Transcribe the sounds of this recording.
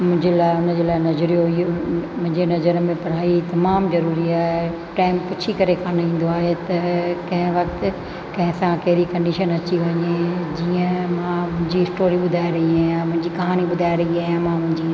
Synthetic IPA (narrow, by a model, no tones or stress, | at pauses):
mʊ̃ɦɪ̃ɲd͡ʑelaːɪʊnəd͡ʑeːlaːɪnɐzɾijoɦijomʊ̃ɦɪ̃ɲd͡ʑenɐzəɾmẽpɐɾ̤aːit̪ɐmaːmzɐɾuːɾiaːɦe | ʈaːɪmpʊt͡ɕʰikɐɾekʰãːnĩːn̆d̪oaːɦet̪ɐkɐ̃ɦɪ̃ʋɐk̚t̪ɪ̆ | kɐ̃ɦɪ̃sãkɐɦɪɾikɐɳɖiʃənɐt͡ɕiʋɐɲed͡ʑiːə̃mãmʊ̃ɦɪ̃ɲd͡ʑiɪsʈoːɾiɓʊd̪ʱaːeɾɐɦiaːamʊ̃ɦɪ̃ɲd͡ʑikɐɦaːniɓʊd̪ʱaːiɾɐɦiaːɦjãmãmʊ̃ɦɪ̃ɲd͡ʑiː